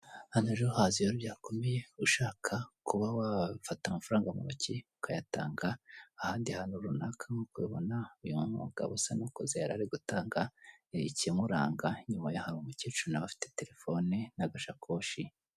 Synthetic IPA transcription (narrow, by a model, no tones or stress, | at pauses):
hanuʒohaːzijoɾubɟaːko̞mejeuʃaːkʰakuβawafatamafaɾaːŋɡamṵβociukajata̰ːŋɡaːhaːndiahanuɾunakʰaŋokweβo̞naujummaɡ̥a̰βosanokozejaɾaɾiɡutaːŋɡaiciemuɾa̰ːŋɡaɲumajahaɾumucet͡ʃunaβafi̥tete̞ɾe̞fo̞nenaɡaʃakʰo̞ːʃi